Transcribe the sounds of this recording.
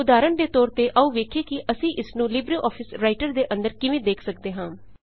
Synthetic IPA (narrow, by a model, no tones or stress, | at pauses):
ʊd̪aːɾəɳd̪eːt̪ɔːɾt̪eːʔəũːʋeːkʰeːkɪʔəsĩːʔɪsnũːlɪbɾiʔɔːpʰɪsɾaːɪʈəɾd̪eːʔə̃nd̪əɾkɪʋẽːd̪eːkʰsək̚d̪eːɦãː